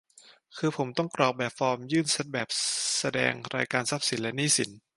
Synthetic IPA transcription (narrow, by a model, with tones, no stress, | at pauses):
kʰɯː˧pʰo˩˦mt̪ɔ˥˩ŋkɾɔː˨˩k̚bɛː˨˩p̚fɔː˧mjɯː˥˩nse˦˥t̪̚bɛː˨˩p̚sa˧dɛ̰ː˧ŋɾʔa̰ː˧jkaː˧nsa˦˥p̚si˨˩˦nlɛ˦˥niː˥˩si˩˦n